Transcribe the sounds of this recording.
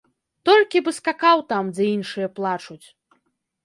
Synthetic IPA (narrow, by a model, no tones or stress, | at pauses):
t̪ɔlʲkʲibɨskakawt̪amd͡zʲɨinʂɨjɐplˠat͡ʂut͡sʲ